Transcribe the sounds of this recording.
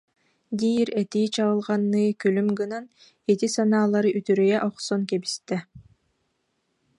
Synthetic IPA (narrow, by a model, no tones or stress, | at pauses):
d̪iːɾɛt̪iːt͡ɕalɯlˠʁanːɯːkylymɡɯnan | ɛt̪isanaːlˠaɾɯʔyt̪yɾœjɛʔɔχsɔnkɛbist̪ɛ